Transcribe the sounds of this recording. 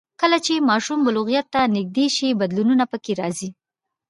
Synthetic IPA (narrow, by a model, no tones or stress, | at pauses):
kəlat͡ʃemɑʃumbʊlʊɣijat̪ːanɪɡ̚d̪eʃibad̪lununapəkeɾɑzi